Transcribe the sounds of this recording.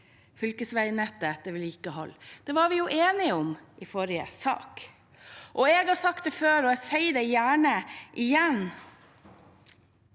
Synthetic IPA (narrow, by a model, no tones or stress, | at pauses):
fʏlkəsʋæɪnɛt̪ːəɛt̪ːəɾliːkəɦɔ̰lːd̪̥ɛːʋɑɾʋɪjʊʔeːnɪʊmʔɪfoːɾɪə̰sɑ̰ːk | ʔɔɛɡhɑɾsɑkt̪d̪ɛføːɾɔɛɡsæɪd̪ɛjæːɳəʔɪjɛn